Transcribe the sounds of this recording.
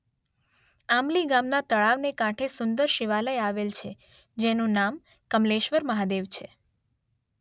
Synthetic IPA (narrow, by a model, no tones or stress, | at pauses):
amliɡamnat̪əɭaʋnekãʈʰesʊnd̪əɾʃiʋaləjaʋelt͡ʃʰe | d͡ʒenũnam | kəmleʃʋəɾməɦad̪eʋt͡ʃʰe